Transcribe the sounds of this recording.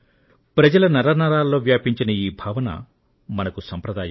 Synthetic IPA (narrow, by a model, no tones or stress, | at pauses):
pɾɐd͡ʒɐlɐnɐɾanɐɾaːlːo̞ːʋjaːpiɲt͡ʃinɐjiːbʱaːʋɐnɐ̰ | mɐnɐkusɐmpɾɐd̪aːjɐ